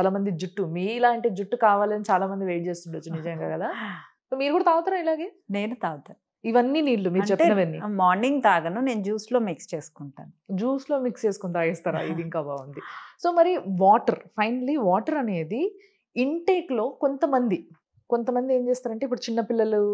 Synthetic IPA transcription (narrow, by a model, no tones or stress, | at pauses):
t͡ʃalaːmɐnd̪id͡ʒuʈːumiːilaːɐɳʈe̞ːd͡ʒuʈːukaːʋaːlɐnit͡ʃaːlaːmɐnd̪iʋeːjʈ̚t͡ʃeːst̪uɳɖɐt͡ʃːunid͡ʒɐjɐŋɡa̰ːɡɐd̪a | soːmiːɾukuːɽɐt̪aːʋɐt̪aːɾailaːɡe̞ː | neːnut̪aːʋt̪aːnu | iʋɐnːiniːɽlumiːɾɐt͡ʃepinɐʋɐnːimaːɾniŋɡt̪aːɡɐnune̞ːnud͡ʒuːslo̞ːmikst͡ʃeːsu̥kuɳʈa̰ːnud͡ʒuːslo̞ːmikst͡ʃe̞ːsu̥kuɳt̪aːjɐst̪aːɾa̰ːid̪iŋkaːʋaːʋɐnd̪iso̞ːmɐɾiʋaːʈɐɾpʰɐjnɐliʋaːʈɐɾɐne̞ːd̪i | iɳʈeːklo̞ːko̞nt̪ɐmɐnd̪i | kont̪ɐmɐnd̪ie̞ːɲt͡ʃe̞ːst̪aːɾɐɳʈeipːuɽut͡ʃinːɐpilːɐlu